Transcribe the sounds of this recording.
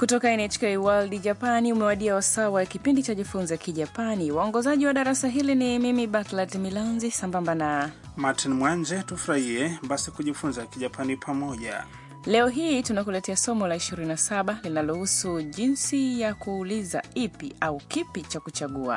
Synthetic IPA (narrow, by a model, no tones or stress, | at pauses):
kutɔkaɛnɛt͡ʃkɛjwaldiʄapaniumɛwaɗiawasawajkipindit͡ʃaʄifunzakiʄapaniwaɔŋɡɔzaʄiwaɗaɾasaɦilinimimiɓatlatmilanzisambambana | matʰinmwand͡ʒɛtufuɾahiɛɓasikuʄifunzakiʄapʰanipʰamɔʄa̰ | lɛɔɦiːtunakulɛtɛasɔmɔlaiʃiɾininasaɓalinalɔhusuʄinsijakuːliza̰ipiʔaukipit͡ʃakut͡ʃaɠua̰